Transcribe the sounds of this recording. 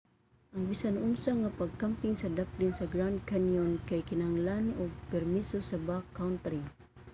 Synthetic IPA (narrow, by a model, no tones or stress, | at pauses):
ʔaŋbisanʊmsaŋapaɡ̚kampiŋsad̪ap̚linsaɡɾawnd̪̚kanjɔnkajkɪnaŋlanoɡ̚pɛrmisosabakːawnt̪ɾi